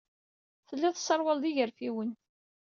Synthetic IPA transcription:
θəlːiðsˤːɑɾˤwəld̪iʝəɾfiwən

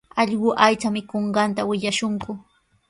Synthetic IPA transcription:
ɑʎɢʊʔajt͡samɪkoɴɢɑnt̪awɪʎaʃʊŋkʊ

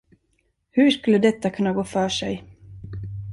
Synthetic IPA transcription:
hɵʂkɵlːəd̪ɛt̪ːakʰɵnːaɡoːfœːʂɛ̰j

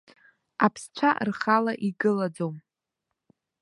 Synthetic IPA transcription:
apʰst͡ɕʷʰarχalaʔiɡɨlad͡zom

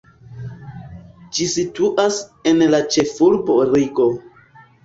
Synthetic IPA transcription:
d͡ʒisituʔase̞nlat͡ʃe̞fulbo̞ɾiɡo̞

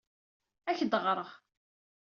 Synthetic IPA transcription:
æçd̪əʁɾˤəʁ

